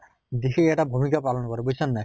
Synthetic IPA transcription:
d̪ixeɛtabʱumikapalɔnkɔɾɛbosʰɔnːaj

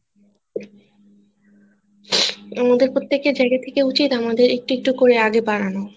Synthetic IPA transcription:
amad̪eɾpɾot̪ːekːed͡ʑaeɡat̪ʰekeut͡ɕit̪amad̪eɾek̚ʈiek̚ʈukoɾeaɡebaɽano

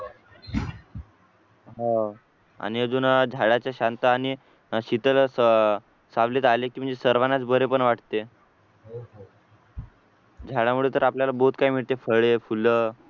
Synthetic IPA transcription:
ɦã | a̰ɽ̃iəd͡zuːnd͡ʑʱaɽat͡ɕjaɕant̪əaɽ̃i | ɕit̪əlsə | saʋlet̪alekiːm̤əɳd͡zesəɾʋanat͡sbəɾepəɳʋaʈt̪e | d͡ʑʱaɽamuɭet̪əɾapljalabout̪̚kaim̤iɭt̪efəɭefulə

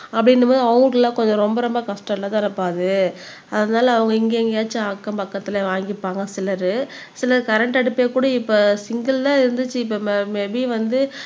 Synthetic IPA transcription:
ɐpːɐɽɪnːɯmoːðɐʊʈlãːkɔɲd͡ʒɔ̃ɾɔmbɐɾɔmbɐkɐsʈɐlãːt̪ãːɽɯpːaːðɯ | ɐðɐnaːlɐːʋɐŋɡɐɪŋɡeːŋɡeːt͡ʃːɯaːkːɐmpɐkːɐt̪ːɪlɐʋaːŋɡɪpːaːŋɡɐsɪlɐɾɯ | sɪlɐɾɯkɐɾɛɳʈɐɽɯpːeːkuːɽɐɪpːoːsɪŋɡɐlt̪ãːɪɾɯnd̪ɯt͡ʃːɯɪpːoːmmɛbiʋɐnd̪ɯ

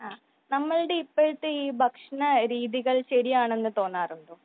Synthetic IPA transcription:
aː | nɐmːɐɭɽeipːeɻʈ̪ːɨiːbʱɐkʂɐɳɐɾiːðiɣɐɭɕɐɾijaːɳe̞nːɨt̪o̞ːnːaːruɳɖoː

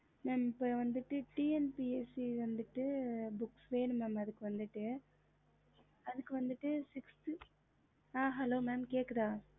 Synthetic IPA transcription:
mɛːmɪpːoːʋɐnd̪ɯʈːɯʈiːɛnpiːeːsiʋɐnd̪ɯʈːɯbʊkːsʋeːɳɯmɛːmɐðɯkːɯʋɐnd̪ɯʈːɯ | ɐðɯkːɯʋɐnd̪ɯʈːɯsɪksʈ | aːɦɛloːmaːmkeːkːɐðãː

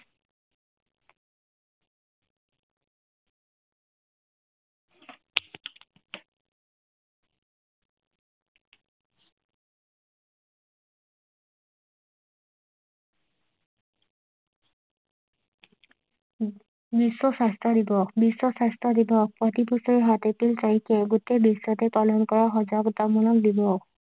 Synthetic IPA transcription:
biswɔsastɹɔdibɔbiswɔsastɹɔd̪ibɔkpɹɔt̪ipusɔɹiɦat̪etiltaɹikʰɛɡut̪ebisɔt̪ɛpalɔnkɔɹaxɔzɔɡd̪amɔlɔk̚d̪ibɔ

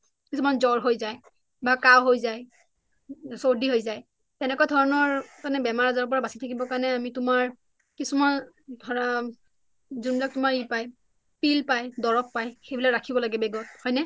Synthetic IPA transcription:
kisumanzɔɹɦojzaj | bakawɦojzaj | soɹdiɦojzaj | tɛnɛkwadʱɔɹɔnɔɹkanɛbɛmaɹazaɹɔp̬ɔɹabasitʰakibɔkaɹnɛamitʊmaɹ | kisuman | dʱɔɹa | zunbilak̚tʊmaɹipaj | pilpajdɔɹɔpːajxejbilaɹakʰibɔlaɡɛbɛɡɔt̚hɔjnɛ

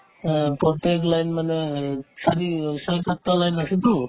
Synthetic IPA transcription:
pɔt̪eklajnmanesʰaɾisalkat̪ːalajnasit̪u

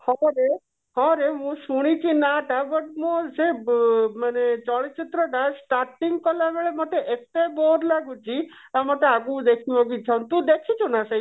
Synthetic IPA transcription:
hɔɾe | hɔ̃ɾeɦũsuɽ̃it͡ʃʰinaʈabəʈmõsemanet͡ʃɔɭit͡ʃit̪ɾəʈasʈaɾʈiŋɡkɔlabeɭemɔʈ̪eʔek̚t̪eboɾlaɡũt͡ʃʰi | amɔʈ̪eaɡũd̪ekʰiʋɔ̃ɡit͡ʃʰɔ̃nt̪ũd̪ekʰit͡ʃʰunasej

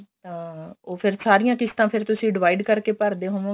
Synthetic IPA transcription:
t̪ãːoːpʰɪɾsaːɾɪjãːkɪst̪ãːpʰɪɾt̪ʊsĩːɖɪʋaːiɖkəɾkeːpəɾd̪eːɦoʋõː

